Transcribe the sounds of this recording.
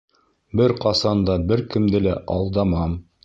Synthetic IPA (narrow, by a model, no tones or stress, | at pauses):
bɘɾqɑsɑnd̪ɑbɘɾkɘ̆md̪ɘlæʔɑ̰lˠd̪ɑmɑm